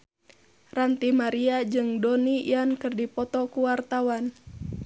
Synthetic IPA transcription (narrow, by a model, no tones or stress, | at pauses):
rant̪imaɾiad͡ʒɨŋdɔnijankɨrdipɔt̪ɔkuwart̪awan